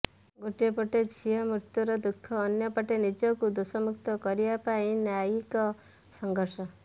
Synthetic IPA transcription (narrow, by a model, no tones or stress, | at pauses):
ɡoʈijepɔʈed͡ʒʰʱiɔmɾit̪juɾɔd̪ukʰːɔːnjɔpaʈenid͡ʒɔkud̪usɔmuk̚t̪ɔkɔɾijapaĩnaikɔ | sɔŋɡʱɔɾsɔ